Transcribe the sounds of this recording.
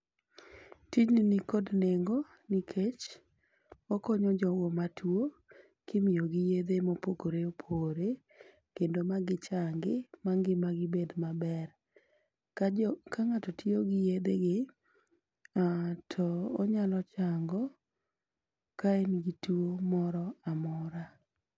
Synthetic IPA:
tid͡ʒninikodneŋɡo | nikʰet͡ʃ | ɔkɔɲɔd͡ʒɔwomatʰwo | kɪmɪjoɡɪjed̪emopokoɾeopʰoɾe | kendomaɡɪt͡ʃaŋɡɪmaŋɡɪmaɡɪbed̪mabɛr | kakʰaŋatɔtʰioɡɪjed̪eɡɪ | atʰɔːɲalɔt͡ʃaŋɡɔ | kaenɡituomɔɾɔamɔɾa

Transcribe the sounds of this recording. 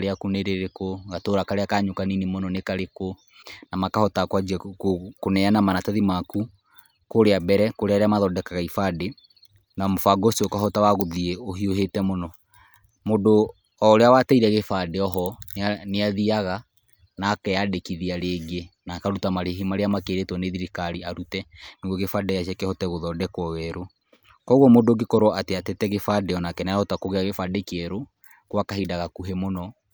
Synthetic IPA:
ɾeakuneɾeɾekoɣatoːɾakaɾeakaɲokaninimonɔnekaɾeko | namakahɔtakwad͡ʒiɛokonɛanamanatɛðimaku | koɾeabɛɾɛkoɾeaɾeamaðɔdɛkaɣaifade | namofaɡosiokaɦɔtawaɣoðieoɦioɦetɛmonɔ | modo | ɔɾeawatɛiɾɛɣefadeɔɦɔnneaðiaɣa | naːkɛjadekiðiaɾeːɡenakaɾutamaɾeɦimaɾeamakeɾetwɔneðiɾikaɾiaɾutɛneɣɔɣefadɛjaʃɛkɛhɔtɛɣoðɔdɛkwɔwɛɾo | kɔɣɔmodoɡekɔɾoateatetɛɣefadeɔnakɛnajɔtakoɣeaɣefadekeɾo | kwakaɦidaɣakuɦemonɔ

